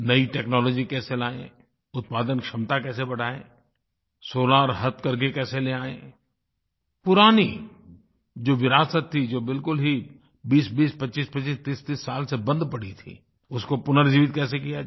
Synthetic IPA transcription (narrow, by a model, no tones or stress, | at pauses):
nɐiʈɛːknɔːlɔːd͡ʒikɛːselaːḛ̃ | ʊt̪̚paːd̪ənkʃɐmt̪akɛːsebɐɽaːḛ̃ː | soːlaɾɦɐt̪kɐɾk̬ekɛːseleaːḛ̃ː | pʊɾaːni | d͡ʒoːʋɪɾaːsət̪ʰːid͡ʒoːbɪlkʊlɦi | biːsbiːspɐtːʃiːspət͡ʃiːst̪iːst̪iːsːaːlsebɐ̃nd̪pɐɽ̤it̪ʰḭː | ʊskopʊnəɾd͡ʒiːʋɪt̪̚kɛːs̬ekija